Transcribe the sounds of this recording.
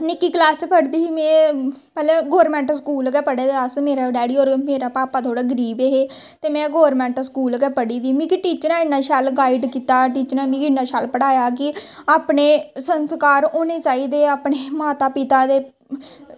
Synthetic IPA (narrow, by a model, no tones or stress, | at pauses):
nɪkːiːklaːst͡ʃpəɽd̪iːmɛ̃ːpɛːleːɡoːɾmɛ̃ːɳʈskuːlɡɛːpəɽeːd̪eəsmeːɾaːɖɛːɽiːoːɾmeːɾaːpaːpaːt̪ʰoːɽaːɡəɾiːbeːɦeː | t̪eːmɛ̃ːɡɔːɾmɛ̃ːɳʈskuːlɡɛːpəɽiːd̪iːmĩːkiʈiːt͡ʃnãːɪnːaːʃaːlɡaːiɖkiːt̪aːʈiːt͡ʃnãːmĩːkɪnːaːʃaːlpəɽaːjaːk̬ɪaːpɳeːsənskaːɾoːneːt͡ʃaːiːd̪eːaːpɳeːmaːt̪aːpɪt̪aːd̪eː